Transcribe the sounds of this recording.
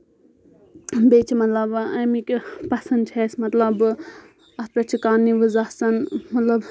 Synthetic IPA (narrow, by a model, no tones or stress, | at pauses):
bet͡ʃʰimɐt̪lɐbɐmikpɐsɐnd̪̚t͡ʃʰesmɐt̪lɐb | ɐt̪̚pɾɐt͡ʃʰikaːniʋɨzɐsɐnmɐt̪lɐb